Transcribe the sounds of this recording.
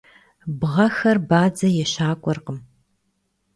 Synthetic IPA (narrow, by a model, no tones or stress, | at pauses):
bʁɐxɐrbaːd͡zɐjɛɕaːkʷʼɔrqəm